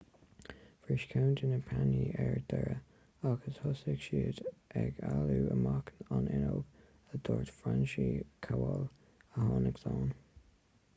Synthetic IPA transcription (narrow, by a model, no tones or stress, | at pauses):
fɹɪʃkʰawndɪnəpʰaniʔɛɹd̪̥ɛɹə | aɡəshʊsɪɡʃiːd̪ʔɛɡaluːəmaknɑnɪnoɡ | əd̪̥oːɹtfɹanʃikʰawɔl | əhɑːnəɡsɑːn